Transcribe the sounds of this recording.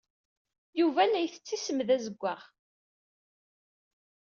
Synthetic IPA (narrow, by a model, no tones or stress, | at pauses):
juvænæjθə̥t͡sːisəmðæzəɡʷːaʁ